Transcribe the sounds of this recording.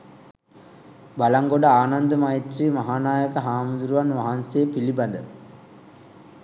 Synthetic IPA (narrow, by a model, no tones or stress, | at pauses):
balaŋɡoɖəaːnand̪əmajit̪riːmaɦaːnaːjəkəɦaːmud̪uɾuʋanʋaɦansejːpiliband̪ə̰